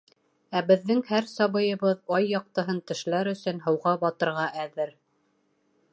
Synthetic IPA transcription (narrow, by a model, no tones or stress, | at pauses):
æbɘ̆ðːɘŋhæɾsɑβɤ̆jɤ̆βɤðɑjːɑq̚t̪ɤ̆ɦɤnt̪ɘ̆ʃlæɾɵ̆sɵ̆nɦɤ̆wʁɑbɑt̪ɤ̆ɾʁɑʔæðɘɾ